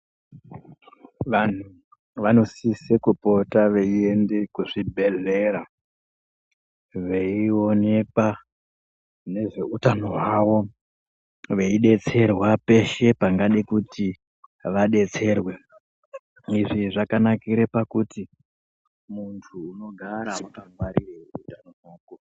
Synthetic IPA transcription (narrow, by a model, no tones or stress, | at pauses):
ʋan̤u | ʋano̞sisekupo̞taʋeie̞nde̞kuʐibʱe̞ɮe̞ɾa | ʋeio̞ne̞ka | ne̞ʐe̞utano̞waʋo̞ | ʋe̞iɗe̞t͡se̞rwape̞ʃe̞paŋɡaɗikuti | ʋaɗe̞t͡se̞rwe̞ | iʐiʐakanakiɾepakuti | muntʰuːno̞ɡʱaɾamutaŋɡwaɾireutanonoːko